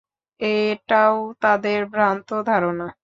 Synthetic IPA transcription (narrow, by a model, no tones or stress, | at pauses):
eʈaot̪ad̪eɾbɾant̪od̪ʱaɾona